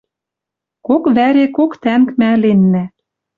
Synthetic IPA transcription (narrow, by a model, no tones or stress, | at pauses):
kokβæɾekokt̪æŋkmælenːæ